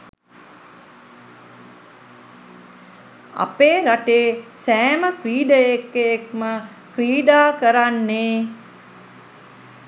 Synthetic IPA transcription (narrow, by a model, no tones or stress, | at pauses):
a̰peːɾaʈeːsɛːməkɾiːɖəjekːeek̚mə | kɾiːɖaːkəɾanːeː